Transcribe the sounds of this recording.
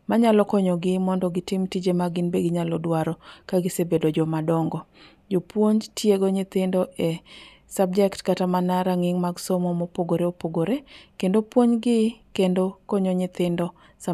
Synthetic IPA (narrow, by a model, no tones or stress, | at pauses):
maɲalɔkɔɲɔɡɪmɔndɔɡɪtɪmtid͡ʒemaɡɪnbeɡɪɲalɔdwaɾɔkaɡɪsebedod͡ʒɔmadɔŋɡɔ | d͡ʒopwoɲtjeɡoɲɪt̪ɪndɔʔe | sab̚d͡ʒɛktkatamanaɾaŋɪŋmaɡsɔmɔmopoɡoɾeopoɡoɾekendopwoɲɡɪkendokɔɲoɲɪt̪ɪndɔ | sa